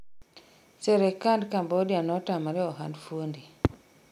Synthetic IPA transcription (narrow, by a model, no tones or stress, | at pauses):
seɾekandkambɔdjanɔtamaɾɛɔɦa̰ndfuondi